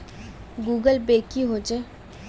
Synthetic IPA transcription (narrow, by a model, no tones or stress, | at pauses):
ɡuːɡəlbeːkiɦoːd͡ʒeː